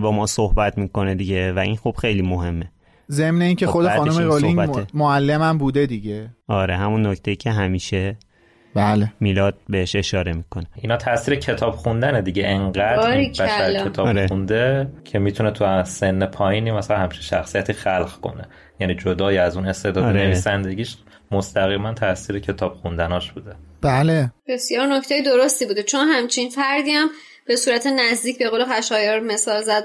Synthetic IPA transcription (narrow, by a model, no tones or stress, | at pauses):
bɒːmɒːsohbæt̪ʰmiːko̞ned̪iɟevæʔinxub̥xe̞jliːmoɦe̞mːe | ze̞mne̞iːncʰexo̞d̪exɒːnumeɾoliŋbæmoælːemæmbuːd̪e̞d̪iɟeɒːɾe̞ɦæmunːocʰt̪ʰe̞jiːcʰe̞ɦæmiːʃe | bælemiːlɒːd̪̥̚be̞heʃe̞ʃɒːɾe̞miːkʰo̞neinhɒːt̪ʰæsiːɾecʰe̞t̪ʰɒːb̥xund̪æned̪iɟeʔeŋɢæd̪bæʃæɾket̪ʰɒːɒɾeund̪ecʰe̞miːt̪ʰunet̪ʰuse̞nːepʰɒːjiːniːmæsælænhæmt͡ʃʰi̥nʃæxsijæt̪ʰixælɢkʰo̞̰ne | jæniːd͡ʒod̪ɒːjiæzuːne̞st̪e̞d̪ɒːd̪eneviːsænd̪e̞ɟiːʃ | most̪ʰæɣiːmænt̪ʰæsiːɾecʰe̞t̪ʰɒːb̥xund̪ænɒːʃb̥uːd̪ebæleb̥e̞sjɒːɾno̞ct̪ejed̪oɾost̪ibuːd̪et͡ʃʰo̞nɦæmt͡ʃʰinfæɾd̪iːæm | b̥e̞suːɾæt̪ʰenæzd̪iːcʰbe̞ɣoːlexæʃɒːjeɾmesɒːlzæd̪